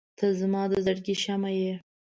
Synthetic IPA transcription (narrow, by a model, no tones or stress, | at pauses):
t̪azamɑd̪əzaɽɡiʃamaje